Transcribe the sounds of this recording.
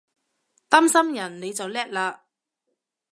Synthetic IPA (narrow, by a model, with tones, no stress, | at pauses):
t̪aː˥msɐ˥mjɐ˨˩nne˨˧jt͡sɐ˨wlɛː˥k̚laː˧